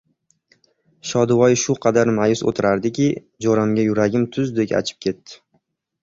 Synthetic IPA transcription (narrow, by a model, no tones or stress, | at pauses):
ʃɒd̪vɒjʃʊqʰɑd̪aɾmajʊso̰t̪ʰɪɾaɾd̪ɪkʲɪ | d͡ʒɒɾamɡʲajʊɾaɡʲɪmt̪ʰʊzd̪e̞kʲa̰t͡ʃʰɪ̥p̚kʲʰe̞t̪ːɪ̥